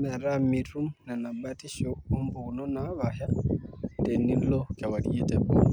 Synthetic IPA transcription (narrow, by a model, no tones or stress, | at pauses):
mɛɾamitumnanabatiʃɔumbunɔnaβaha | dɛnilɔkɛwadiɛtɛbɔ̰